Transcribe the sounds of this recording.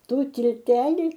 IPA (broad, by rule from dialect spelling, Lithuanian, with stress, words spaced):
ˈtuː tʲɪlʲˈtʲæːlʲɪ